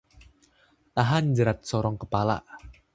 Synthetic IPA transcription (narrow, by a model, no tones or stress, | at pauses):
t̪aɦand͡ʒəɾat̪̚sɔɾɔŋkəpala̰ʔ